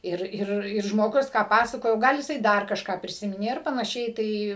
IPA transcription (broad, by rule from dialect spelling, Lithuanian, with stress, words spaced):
ˈɪr ˈɪr ɪr ʒmoːˈɡʊs kɑː ˈpɑːsɐkoːjoː ˈɡɐlˠ jɪˈsɐɪ ˈdɐr kɐʃˈkɑː pʲrʲɪˈsʲɪmʲɪnʲeː ˈɪr pɐnɐˈʃʲɛɪ ˈtɐɪ